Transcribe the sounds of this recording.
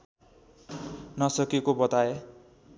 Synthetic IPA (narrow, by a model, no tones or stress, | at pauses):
nʌsʌkekobʌt̪ae